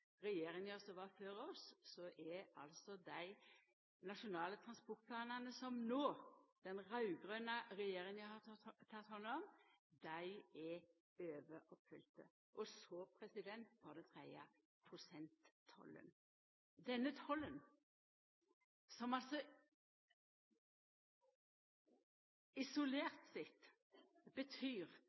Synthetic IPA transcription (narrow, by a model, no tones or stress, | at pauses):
ɾɛjeːɾɪŋjøːɾsɔʋɑføːɾɔssɔʔɛɑ̰lsɔd̪æɪ | nɑʂʊnɑːlət̪ʰʁɑnspɔʁt̪̚pʰlɑːnɑnəsɔmnoːd̪̥ɛnʁɑʉɡʁøːnɑɾɛjeːɾɪŋæhɑt̪ʰɑt̪hɑnːɔm | d̪æɪɛ | øːʋəʔɔpfʏlt̪ə̰ | ʔɔsɔpʰʁɛsɪd̪ɛnt̪fɑʁd̪ɛt̪ʰʁɛɪə̰ | pʰʁʊsɛnt̪ʰːɔ̰lːə̰n | d̪ɛnːət̪ʰɔlːən | sɔmɑlsɔ | ɪsʊleːʁt̪sɪt̪ | b̥ət̪ʰyːʁ